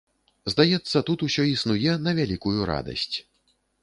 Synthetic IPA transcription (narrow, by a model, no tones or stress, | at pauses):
zd̪ajɛt̪sːɐt̪ut̪usʲɔisnujɛnɐvʲalʲikujuɾa̰d̪ɐ̰sʲt͡sʲ